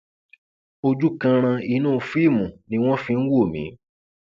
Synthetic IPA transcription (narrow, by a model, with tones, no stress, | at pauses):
o˧d͡ʒu˦kã˧ɾ̃ã˧i˧˨˦nũː˦˨fi˦˨mũ˨nĩ˧˦w̃ɔ̃˦fĩ˧n̩˦wo˦˨mḭ̃˨˦